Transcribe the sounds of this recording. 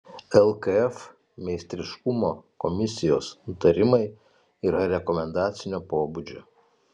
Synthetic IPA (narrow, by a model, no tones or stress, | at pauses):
ɛlˠkɐɛf | mʲɛɪsʲt̪ʲɾʲɪʃkʊmoːkɔmʲɪsʲɪjoːsnʊt̪ɐɾʲɪmɐɪ | iːɾɐɾʲɛkɔmʲɛnd̪ɑːt̪sʲɪnʲoːpoːbud͡ʒʲo̰ː